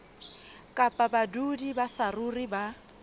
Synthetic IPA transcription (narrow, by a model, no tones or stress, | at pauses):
kʼapʼabadudibasaruriba